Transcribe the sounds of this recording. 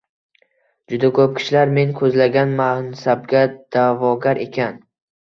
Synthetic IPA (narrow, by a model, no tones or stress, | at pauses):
d͡ʒʊd̪akʰɵp̚kʲʰɪ̥ʃlaɾme̞ŋkʰɵzlaɡʲanmansab̚ɡʲad̪̥avɒɡʲaɾe̞kʲʰan